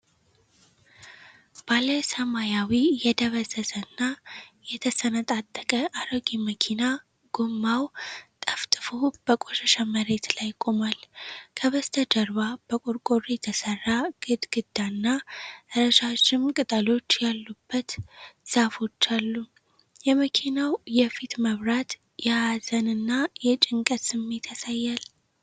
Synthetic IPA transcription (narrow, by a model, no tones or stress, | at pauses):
b̥aləsəmajawijɛd̪əβəzəsənːajɛt̪ʰəsənət̪ʼat̪ʼːəkʼəʔaɾəɡiməkʰina | ɡ̥omːawt̪ʼəft̪ʼɨfob̥əkʼo̞ʃəʃaməɾe̞t̪lajkʼomalkʰəβəst̪ʰəd͡ʒəɾβab̥əkʼoɾkʼoɾijɛt̪ʰəsərːaɡ̥ɨd̪ɡɨd̪ːanːaɨɾəʃaʃɪmkʼɨt̪ʼəlo̞t͡ʃːjalːubːət̪z̥afo̞t͡ʃːalːu | jɛməkʰinawjɛfit̪məβɾat̪ | jɛaazənɨnːajɛt͡ʃʼɪŋkʼət̪sɨmːe̞t̪ʰasajːal